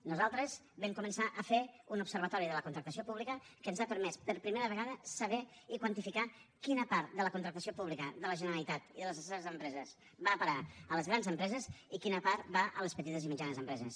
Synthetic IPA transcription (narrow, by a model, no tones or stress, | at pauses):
nuzalˠt̪ɾəz | bɛmkumənsaʔəfeunupsəɾβət̪ɔɾiðələkunt̪ɾəkt̪əs̬iopuβlikəkənzapəɾmɛspəɾpɾimeɾəβəɣaðəsəβɛikwant̪ifikakinəpaɾt̪̚d̪ələkunt̪ɾək̚t̪əsiopuβlikəðələʒənəɾəlit̪at̪iðələzəsɛɾəzəmpɾɛzəs | bapəɾaələzɣɾanzəmpɾɛzəzikinəpaɾt̪baʔə̰ləspət̪it̪əzimid͡ʒanəzəmpɾɛzəs